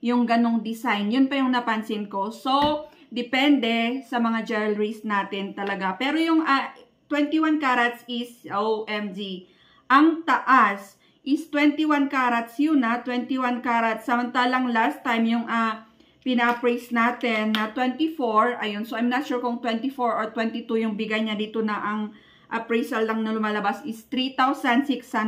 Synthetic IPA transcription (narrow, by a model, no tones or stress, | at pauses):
jʊŋɡɐnoŋd̪ɪsajnjʊnpɐjʊŋnɐpɐnsɪnko̞so̞ | d̪ɛpɛnd̪ɛsɐmɐŋad͡ʒɛlɹisnaːt̪ɪnt̪ɐlɐɡapɛːɾo̞jʊŋa | t̪wɛnt̪iwankaːɾɐt̪sɪsowʔɛmd͡ʒi | ʔɐŋt̪ɐʔas | ʔɪst̪wɛnt̪iwankaːɾɐt̪sjʊnɐt̪wɛnt̪iwankaːɾɐt̪sːɐmɐnt̪aːlɐŋlast̪ːajmjʊŋʔɐ | pɪnapɹajsnaːt̪ɛnːɐt̪wɛnt̪ifoɹʔɐjonsoʔɐjmnɐt̪̚ʃuːɹkoŋt̪wɛnt̪ɪfoɹoɹt̪wɛnt̪ɪt̪ujʊŋbɪɡajɲɐd̪iːt̪onɐʔɐŋ | ʔɐpɹejsɐlːɐŋnɐlʊmaːlɐbasʔɪst̪ɾit̪awsɐnd̪sɪksɐn